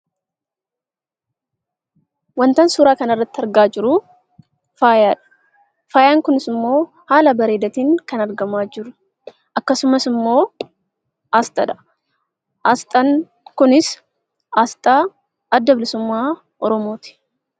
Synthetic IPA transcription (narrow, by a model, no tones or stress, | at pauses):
wɐnt̪ɐnsuːɾaːkɐnɐrːɐt̪ːɪɐɾɡaːd͡ʒɪɾʊ | faːjaːᶑɐ̥ | faːjaːŋkʊnɪsɪmːo̞ː | haːlɐbɐɾe̞ːd̪ɐt̪iːŋkɐnɐɾɡɐmaːd͡ʒɪɾʊ | ʔɐkːɐsʊmɐsɪmːoː | ʔast̪ʼɐᶑɐ̥ | ʔɐst̪ʼɐn | kʊnɪs | ast̪ʼaː | ɐd̪ːɐbɪlɪsʊmːaː | ʔɔɾɔmo̞ːt̪ɪ̥